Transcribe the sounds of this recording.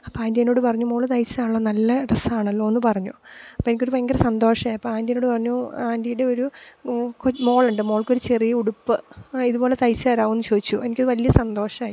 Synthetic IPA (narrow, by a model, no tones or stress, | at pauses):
ɐpːoaːndienːoːɽɨpɐrɐɲːumo̞ːɭɨt̪ɐjt͡ɕːaːɭːɐnɐlːɐɖɐsaːɳɐlːo̞ːonːɨpɐrɐɲːuɐpːoːenikʲːo̞ɾupɐeŋɡɐɾɐsɐnd̪o̞ːʂɐmaːjiɐpːoaːndieno̞ːɽɨpɐrɐɲːuaːndijuɽe̞oɾu | komo̞ːɭuɳɖɨmo̞ːɭkːo̞ɾut͡ɕerijɐuɽupːɨiðubo̞ːle̞t̪ɐjt͡ɕːɨɐːɾaːʋunːut͡ɕoːðit͡ɕːuʔe̞nikʲːoðɨʋɐlijɐsɐnd̪o̞ːʂɐmaːi